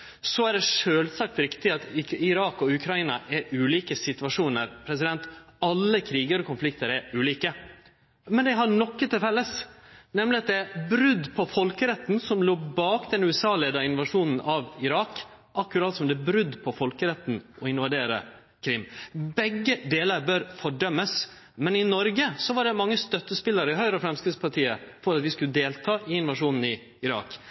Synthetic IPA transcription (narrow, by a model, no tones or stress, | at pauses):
sɔæɖɛʂøːlsɑk̚t̪ɾɪkt̪ɪɑt̪ɪɾɑːkɔʉkʰɾɑɪːnɑʔæɾʉːliːkəsɪt̪ʉʋɑʂuːnəɾpʰɾɛs̬ɪd̪ɛnt̪ɑlːəkʰɾiːɡəɾɔkʊnflɪkt̪əɾæɾʉːliːkə | mɛnd̪ɛɪɦɑɳɔkːət̪ʰɪlfɛlːəsnɛmlɪɑt̪d̪ɛæbɾʉd̪pʰɔfɔlkəɾɛt̪ːn̩sɔmloːbɑːkd̪ɛnʉɛsɑːleːd̪ɑɪnʋɑʂuːnn̩ʔɑʋɪɾɑːk | ʔɑkːʉɾɑt̪ɑlsɔmd̪ɛbɾʉd̪ːpʰɔfɔlkəɾɛt̪ːn̩ʔɔɪnʋɑd̪eːɾə̰ | kʰɾɪmːbɛɡːəd̪eːləɾbœɾfɔɖœmːəs | mɛnɪnɔɾɡəsɔʋɑɖɛmɑŋːəst̪œt̪ːəspɪlːəɾəɪɦœʏɾəɔfɾɛmskɾɪd̪spʰɑʈʰiːə̰fɔɾɑt̪ʋɪskʉləd̪eːlt̪ʰɑːʔɪɪnʋɑʂuːnn̩ɪ | ɪɾɑ̰ːk